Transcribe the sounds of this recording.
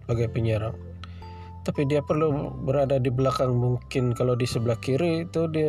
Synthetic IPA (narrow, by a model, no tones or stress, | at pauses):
aɡajpəɲaɾaŋ | t̪apidiapərlubəɾadadibəlakanmuŋkɪnkalawdisəbəlahkiɾit̪udia